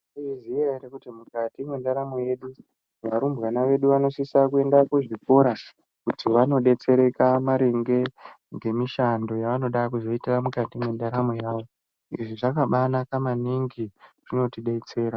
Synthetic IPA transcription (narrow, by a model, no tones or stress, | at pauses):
izijaiɾekutimukatimwendaɾamoje̞ɗu | ʋaɾumbɣanaʋe̞ɗuʋano̞sisakue̞ndakuʐiko̞ɾa | kutʰiʋano̞ɗe̞t͡se̞ɾe̞kamaɾiŋɡe̞ | ŋɡe̞miʃando̞jaʋano̞ɗak̬uzo̞itiramukatimwendaɾamojaːʋo̞ | iʐiʐakaɓanakamaniŋɡir̥ino̞tiɗe̞t͡se̞ːɾa